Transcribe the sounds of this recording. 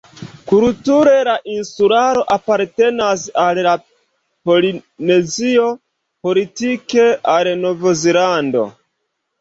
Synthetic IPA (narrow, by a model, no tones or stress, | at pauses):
kultuɾe̞laʔinsuɾaɾo̞ʔapaɾte̞nas̬alla | po̞line̞zio̞ | po̞litike̞ʔalnovozelando̞̰